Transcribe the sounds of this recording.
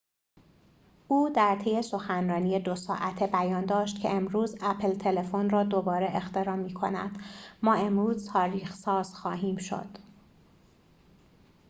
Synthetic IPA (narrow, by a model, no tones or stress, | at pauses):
ʔuːd̪æɾt̪ʰeje̞so̞xænrɒːnijed̪osɒ̰ːʔæt̪ʰebæjɒːnd̪ɒːʃt̪̚cʰe̞̰ʔemɾuːzæpʰlt̪ʰe̞le̞fonrɒːd̪o̞bɒːɾeʔext̪e̞ɾɒːmiːkʰo̞̰næ̰d̪̥mɒːe̞mɾuːzt̪ʰɒːɾiːxsɒːz̥xɒːɦiːmʃo̞̰d̪̥